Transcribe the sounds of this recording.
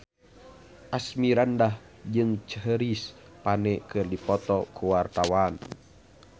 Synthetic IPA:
ʔasmiɾandah | d͡ʒɨŋt͡ʃəɦəɾis | panɛkɨrdipɔt̪ɔkuwart̪awan

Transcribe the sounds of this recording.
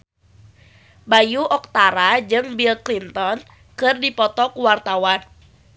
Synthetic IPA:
bajuʔɔk̚t̪aɾad͡ʒɨŋbilklint̪ɔn | kɨrdipɔt̪ɔkuwart̪awan

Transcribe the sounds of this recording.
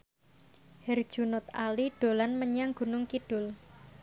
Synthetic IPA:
hɛr̥ʒ̥unʊt̪a̰liɖ̥o̤lanməɲaŋɡ̥ṳnʊŋkiɖ̥ʊl

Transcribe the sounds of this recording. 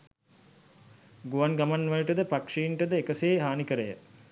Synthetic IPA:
ɡuʋanɡamanʋaləʈəd̪əpakʂiiɳʈəd̪əekəseːɦaːnikəɾəjə

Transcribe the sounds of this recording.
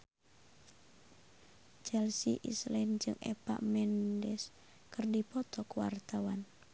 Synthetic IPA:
t͡ʃɛlsiʔislɛnd͡ʒɨŋʔɛ̰pa̰ʔmɛndɛs | kɨrdipɔt̪ɔkuwa̰rt̪awan

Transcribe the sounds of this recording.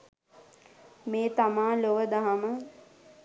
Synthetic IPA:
meːt̪amaːloʋəd̪aɦamə

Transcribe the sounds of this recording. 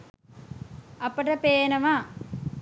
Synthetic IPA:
ɐpːɐʈɐpeːnɐʋaː

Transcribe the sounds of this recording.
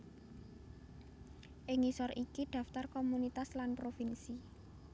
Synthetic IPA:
ʔɪŋisɔrikid̪̥ä̤ft̪arkomunit̪aslanpɾofinsi

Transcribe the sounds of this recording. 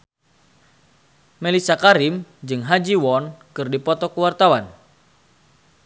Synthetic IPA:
melisakaɾimd͡ʒɨŋɦad͡ʒiwɔnkɨrdipɔt̪ɔkuwart̪awan

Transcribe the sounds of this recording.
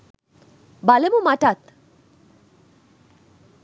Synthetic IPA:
balemumaʈat̪

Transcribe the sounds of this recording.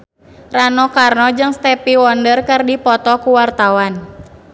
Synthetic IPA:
ranɔkarnɔd͡ʒɨŋst̪ɛpiwɔndərkɨrdipɔt̪ɔkuwart̪awan

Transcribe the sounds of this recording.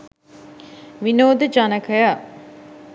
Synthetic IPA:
ʋinoːd̪əd͡ʒanəkəja

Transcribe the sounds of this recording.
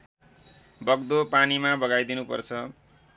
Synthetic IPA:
bʌɡd̪opanimabʌɡajd̪inupʌ̰rt͡sʰʌ

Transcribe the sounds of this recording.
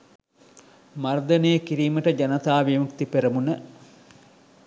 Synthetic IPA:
mɐrd̪ɐneːkiɾiːməʈəd͡ʒɐnɐt̪aːʋimukt̪ipeɾəmunə

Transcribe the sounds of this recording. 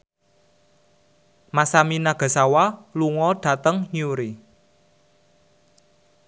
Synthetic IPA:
masaminaɡ̥a̤sawaluŋɔɖ̥a̤t̪əŋɲuɾi

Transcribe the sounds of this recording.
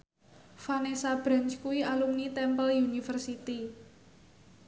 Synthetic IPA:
fanesab̥ɾa̤nt͡ʃkuwialumnit̪ɛmpəljunifərsit̪i

